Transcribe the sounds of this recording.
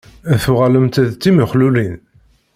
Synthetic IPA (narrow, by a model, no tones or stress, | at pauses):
æθuʁaləmt̪æðt̪ːiməχlulin